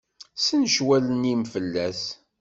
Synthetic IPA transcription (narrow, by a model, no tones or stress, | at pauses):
sənʃwælənimfəlːæs